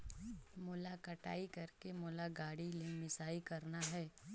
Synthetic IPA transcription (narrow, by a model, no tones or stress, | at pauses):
mʊlakɐʈa̰ːikɐɾkemʊlaɡaːɽilemɪsaːikɐɾnaɦɛː